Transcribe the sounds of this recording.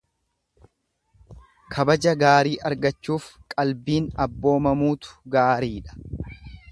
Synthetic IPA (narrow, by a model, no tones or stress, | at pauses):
kʰɐbɐd͡ʒɐɡaːɾiːʔɐɾɡɐt͡ʃːuːfkʼɐlbiːnɐbːo̞ːmɐmuːt̪ʊ̥ɡaːɾiːᶑɐ̥